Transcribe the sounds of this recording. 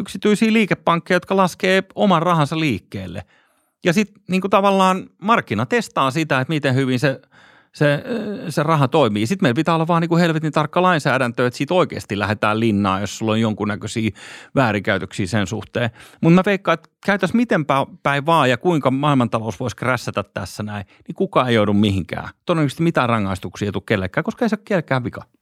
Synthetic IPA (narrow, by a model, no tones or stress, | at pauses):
yksit̪yisiːliːkepːɑŋkːejɑjot̪̚kɑlɑskeːomɑrrɑhɑnsɑliːkːḛːlːḛ | jɑsit̪niːŋkut̪ɑʋɑlːɑːnmɑrkːinɑt̪est̪ɑːsit̪æet̪mit̪ehhyʋinse | seserɑhɑt̪oimiːsit̪meilpit̪æːolːɑʋʋɑːniːkuhelʋet̪int̪ɑrkːɑlɑinsæːɾænt̪øːet̪siːt̪oikḛːst̪ilæhet̪æ̰ːlinːɑ̰ːjossulːojjoŋkunnækøsiːʋæːɾikæyt̪øksiːsensṵht̪eːmut̪meʋeikːɑet̪ | kæyt̪æsmit̪empæːpæiʋʋɑːjɑkuiŋkɑmɑːilmɑnt̪ɑlousʋoiskræsːæt̪æt̪t̪æsːænæi | nikukɑːeijoudummihiŋkæ̰ːt̪odenkst̪mit̪æːrrɑŋːɑist̪uksiːet̪ukelːekːˑæːkoskɑeisɑkkelekæːʋʋikɑ